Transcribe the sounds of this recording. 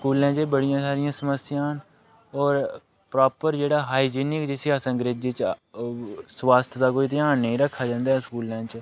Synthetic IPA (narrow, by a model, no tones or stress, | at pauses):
skuːlãːt͡ʃebəɽɪjãːsaːɾɪjãːsəməsɪjãːɦn | ɔːɾ | pɾɔːpəɾd͡ʒeːɽaːɦaːiːd͡ʒiːnɪkd͡ʒɪsiːaːsə̃ŋɡɾeːd͡ʒiːt͡ʃ | sʋaːst̪ʰd̪aːkoːiːt̪̬ɪjaːnːəĩːɾəkʰːaːd͡ʒãːnd̪aːɦːskuːlãːt͡ʃ